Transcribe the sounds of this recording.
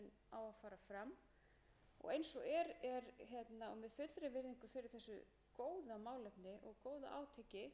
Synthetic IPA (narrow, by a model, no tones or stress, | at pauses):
ɛn | aːwafaːɾafɾam | ɔ̰ɣejnsɔɣɛɾɛɾçjɛt̪naɔ̰ɣmɛðfʏt̪lɾɪvɪɾðiŋkʏfɪɾɪɾ̥θɛsːʏ̰ | koːwðamaːwlɛpnɪʔɔɣkoːwða̰ʔa̰ːwt̪ʰecɪ